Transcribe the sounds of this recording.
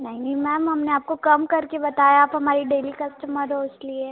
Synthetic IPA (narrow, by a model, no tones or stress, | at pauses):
nɐɦĩmɛːmɦɐmneaːp̚kokɐmkɐɾkebɐt̪aːjaaːpɦɐmaːɾiɖeːlikɐsʈəməɾɦoɪslie